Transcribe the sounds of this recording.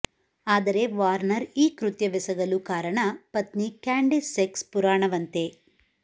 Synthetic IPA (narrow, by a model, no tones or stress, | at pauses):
aːd̪ɐɾe̞ʋaːɾnɐɾiːkɾut̪jɐʋisɐɡɐlukaːɾɐɳɐpɐt̪nikaːɳɖisːekspuɾaːɳɐʋɐnt̪e